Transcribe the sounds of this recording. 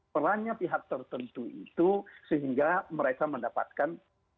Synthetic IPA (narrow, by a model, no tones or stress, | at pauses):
əɾaɲapiɦak̚t̪ərt̪ənt̪uḭt̪usəɦiŋɡaməɾekaməndapa̰t̪̚kan